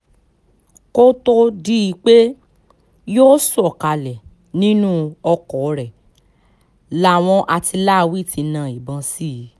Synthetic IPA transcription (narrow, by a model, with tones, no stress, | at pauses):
ko˦to˦di˦i˧k͡pe˦ | joː˦sɔ˨ka˧lɛ˨ | nĩ˦nũ˦ɔ˧kɔ˨˧ɾɛ˨ | la˦˨w̃ɔ̃˧ʔa˧ti˧la˦˧wi˦˨tĩ˧nã˦˨i˨bã˨˧si˦i˨˦